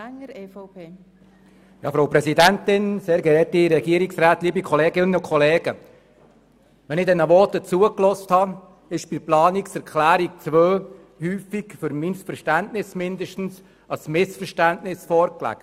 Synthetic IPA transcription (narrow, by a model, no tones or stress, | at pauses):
ŋɾefɔpʰeː | jɑ̰ːfɾoʊpɾɛsidænt̪ɪnseːɾɡɛɾɛtiɾɛɡiəɾiksɾæːt̪liːbikʰɔleːɡɪnːəʊkʰχɔleːɡ̥ə | ʋɛnɪdɛnəʋɔtət͡suəklɔsthɑ | ɪʃb̥ɪplɑːniksɛɾkχlæːɾik̚t͡sʋøː | hyːfikfʏɾmisfəɾʃtæntnɪsmɪnd̪əʃtn̩s | ɑsmɪsfəɾʃtæntnɪsfɔɾklæ̰k